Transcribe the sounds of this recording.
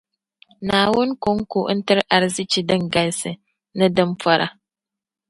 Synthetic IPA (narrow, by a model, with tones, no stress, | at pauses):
naː˨wʊ˦nko˦ŋku˨˦n̩˦tɨ˦ɾʔa˨ɾzi˦t͡ʃi˨dɨ˦ŋɡa˦lsɨ˨ | nɨ˦dɨ˦mpɔ˦ɾʔa̰˦